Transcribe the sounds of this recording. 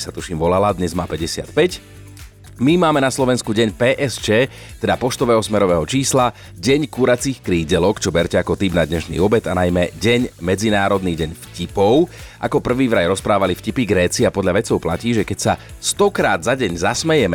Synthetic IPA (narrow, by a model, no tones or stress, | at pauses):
sat̪uʃiːmʋɔlalad̪ɲɛzmaːpɛɟɛsɪa̰t̪pɛc | mimaːmɛnaslɔʋɛnskuɟɛɲpɛːʔɛst͡ʃɛː | t̪ɛd̪apɔʃt̪ɔʋɛːɦɔsmɛɾɔʋɛːɦɔt͡ʃiːsla | ɟɛɲkuːɾat͡siːxkɾiːɟɛlɔkt͡ʃɔbɛɾcɛakɔt̪iːbnad̪ɲɛʃnḭːɔbɛt̪anajmɛɟɛɲmɛd͡zinaːɾɔd̪niːɟɛɲfcipɔʊʔakɔpr̩ʋiːʋɾajɾɔspɾaːʋalifcipiɡɾɛːt͡siapɔd̪ʎaʋɛt͡sɔʊplaciːʒɛkɛcsa | st̪ɔkɾaːd̪zaɟɛɲzasmɛjɛmɛ